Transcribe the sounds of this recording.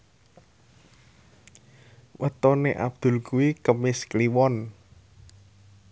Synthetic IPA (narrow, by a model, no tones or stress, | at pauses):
wʔət̪oneʔa̰b̥̚d̪̥ṳlkuwikəmɪskliwɔn